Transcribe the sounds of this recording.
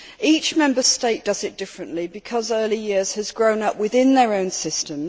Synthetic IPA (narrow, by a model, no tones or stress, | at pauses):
iˑt͡ʃmɛ̃mbəsteɪʔ̚d̥ʌzɪt̚d̥ɪfɹə̃nʔlibɨkʰɒzɜːlijɪəz̥əzɡɹə̃ʊ̃nʌpwɪðɪ̃nðəɹə̃ʊ̃nsɪstə̃m